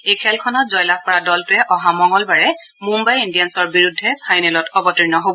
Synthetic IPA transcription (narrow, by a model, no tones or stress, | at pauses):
ejkʰɛlkʰɔnɔt̚zɔjlak̚pɔɹadɔltʊɛʔɔɦamɔŋɔlbaɹɛ | mumbajindijansɔɹbiɹudʱːɛpʰajnɛlɔtɔbɔtinɔɦobɔ